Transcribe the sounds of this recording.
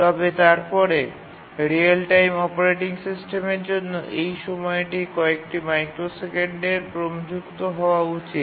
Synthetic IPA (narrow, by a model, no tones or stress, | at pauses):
t̪ɔbet̪aɾpɔɾe | ɾialʈajmɔpoɾeʈiŋsisʈemeɾd͡ʑonːoʔejʃɔmɔeʈikɔekʈimajkɾosekeɳɖeɾpɾomd͡ʑukt̪oɦɔoaut͡ɕit̪